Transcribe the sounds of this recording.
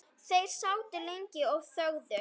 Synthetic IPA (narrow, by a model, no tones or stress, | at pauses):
θejsawt̪ɪlejŋcɪɔv̥θowðə